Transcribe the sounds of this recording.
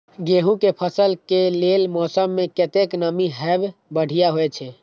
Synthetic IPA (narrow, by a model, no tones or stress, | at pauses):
ɡeɦũkepʰəsəlkelelmɔsəmːeket̪eknəmiɦɛbbəɽ̤ijaɦojt͡ʃʰɛ